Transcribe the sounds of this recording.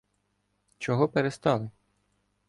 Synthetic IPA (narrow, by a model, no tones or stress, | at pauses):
t͡ʃɔɦɔpeɾest̪ɑlˠɪ